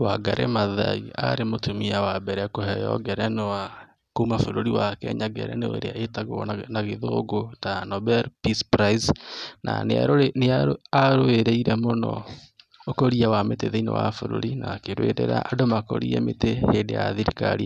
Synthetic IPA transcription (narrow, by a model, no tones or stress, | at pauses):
waɡaɾʔḛmaða̰ia̰ɾemotumiawabɛɾɛkoɦɛjɔ̰ɡɛɾɛnowa | koumafoɾoɾiwakɛ̰ɲaɡɛ̰ɾɛ̰neoḛɾeaetaɣɔ̰naɣeðoɡotanɔbɛɾpispɾaisna̰nea̰ɾoeneaaɾoeɾeiɾɛmonɔ̰ | okoɾiawameteðeinḛwafoɾo̰ɾinakeɾwḛɾḛɾa̰ʔːdomako̰ɾiɛmeteheːndeja̰ðiɾikaɾia